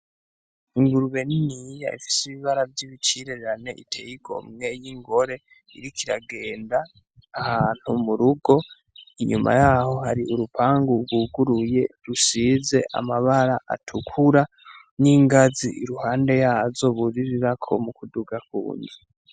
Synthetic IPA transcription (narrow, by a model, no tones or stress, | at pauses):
iŋɡuɾuβe̞ninija̰ifi̥siβiβaɾavjiβit͡ʃiɾeɾeɾane̞̰ʔḭtʰe̞jikʰo̞̰mŋe̞jiŋɡo̞ɾe̞ | ḭɾikʰiɾa̰ɡe̞ːndaː | haːn̥humuɾuɡo̞ | iɲuma̰jaːho̞haɾiʔuɾupʰaːŋɡuɡwuɡuɾuje̞ɾusiːze̞ʔa̰maβaɾaʔa̰tʰukʰuɾa | niŋɡaziʔiɾuhaːnde̞jaːzo̞βuɾiɾiɾakʰo̞̰mukʰuduɡakṵːɲdi